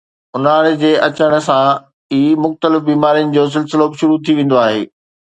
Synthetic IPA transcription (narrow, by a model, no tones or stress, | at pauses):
ʊnaːɽd͡ʑeːʔɐt͡ɕəɽ̃̆sã | iːmʊxt̪əlɪfbiːmaːɾijənɪ̆d͡ʑoːs̬ɪlsɪlobʃʊɾut̪ʰiʋẽːn̆d̪oaːɦḛː